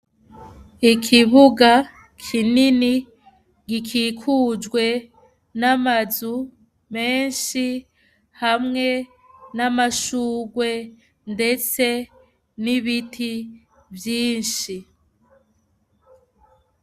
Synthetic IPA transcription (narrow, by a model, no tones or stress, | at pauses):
ikʰiβuɡa | kʰinini | ɡikʰikʰuːd͡ʒɡwe̞ | namazu | me̞ːnʃi | hamŋe̞ | namaʃuːɡwe̞ | nde̞t͡se̞ | niβitʰi | vjiːnʃi